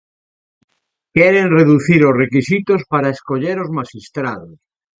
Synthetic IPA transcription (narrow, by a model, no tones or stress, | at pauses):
keɾenreðuθiɾorekisit̪ospaɾaeskoʎeɾozmaʃist̪ɾaðos